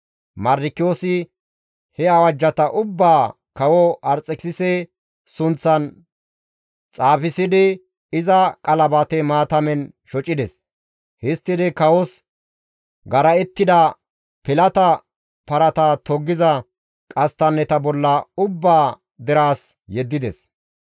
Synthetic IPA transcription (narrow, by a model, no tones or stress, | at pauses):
mɐɾːɪkːɪjoːsɪ | hɛɐwɐd͡ʒːɐt̪ɐʔʊbːaː | kɐwɔʔɐɾt͡sʼːɛksɪsɛ | sʊnt͡sːɐn | t͡sʼaːfɪsɪd̪ɪ | ɪzɐkʼɐlɐbat̪ɛmaːt̪ɐmɛn | ʃɔt͡ʃʼːɪd̪ɛs | hɪst̪ːɪd̪ɪkɐwɔs | ɡɐɾɐɛt̪ːɪd̪ɐ | pɪlɐt̪ɐ | pɐɾɐt̪at̪ɔɡːɪzɐ | kʼɐst̪ɐnːɛt̪ɐbɔlːɐʊbːaː | d̪ɪɾaːs | jɛd̪ːɪd̪ɛs